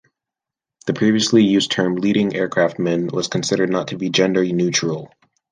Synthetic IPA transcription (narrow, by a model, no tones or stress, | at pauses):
ðɨpʰɹ̥iviɨslijʉz̥tʰɜ̃˞mliɾɪ̃ŋʔɛɹkʰɹ̥æft̚mɛ̃nwʌz̥kʰn̩sɪɾə˞dⁿnətʰɨbid͡ʒɛ̃ndə˞inʉt͡ʃɹ̥l̩ˠ